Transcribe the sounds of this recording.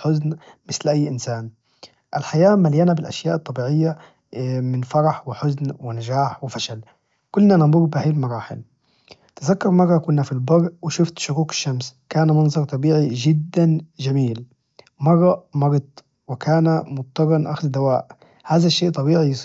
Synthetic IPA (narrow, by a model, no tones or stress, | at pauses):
ħʊznmɪslʔajːʔɪnsaːn | ʔalħajaːmaljanabɪlʔa̰ʃjaːʔɨt̪ˤːɑbiːʕɪjːa | mɪnfɑɾˤɑħwɪħʊznwɪnad͡ʒaːħwɪfaʃal | kʊlːnanɪbˤʊɣbɪhaːjlmɑɾˤɑːħɪ̰l | t̪ɪzakːɑɾˤmɑrˤːɑkʊnːafilbɑɾʔwɪʃʊft̪ʃʊɾuːkɪ̥ʃːamskaːnmɑnzˤɑɾˤt̪ˤɑbiːʕiʒɪd̪ːanʒamiːl | mɑrˤːɑʔmɑɾɑt̪ˤ | wɪkaːnamʊˤːɑbɑnʔaxzd̪awaːʔ | haːðaʃːeːʔt̪ˤɑbiːʕijsˤ